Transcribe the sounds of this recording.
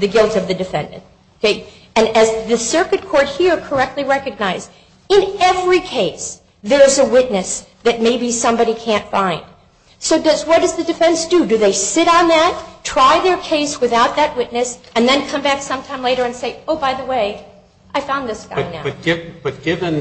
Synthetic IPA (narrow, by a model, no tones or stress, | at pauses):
ðɨɡɪlˠtʌvðɨdɨfɛ̰̃ndɨ̰̃nt | oʊkʰeɪ | ɨ̃nɨzðɨsɜ˞kɨt̚kʰɔɹt̚hiɹkʰə˞ɛk̚tˡliɹɛkɨɡ̚naɪz | ɨ̃nɛvɹikʰeɪs | ðə˞zəwɪtⁿnɨsðɨt̚meɪbisʌ̃mbɑɾikʰæ̃ntfãɪ̃nd̥ | soʊdʌzwʌt̚d̥ʌzðɨdɨfɛ̃nsd̥ɨdɨðeɪsɪɾn̩ðɨtʰɹ̥aɪðə˞kʰeɪswɨθaʊt̪̚ðɨt̚wɪtⁿnɨsɨ̃nðɨ̃nkʰʌ̃mbæksʌ̃mtʰãɪ̃mleɪɾə˞ɨ̃nseɪoʊbaɪðəweɪ | ʔaɪfãʊ̃nðɪsɡ̥a̰ʌ̃naʊʌt̚ɡ̥ɪb̥ʌt̚ɡ̥ɪvɨ̃n